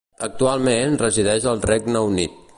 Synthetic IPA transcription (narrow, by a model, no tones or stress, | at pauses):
ək̚t̪ualˠmenrəziðɛʃəlˠrɛɡnəunḭt̪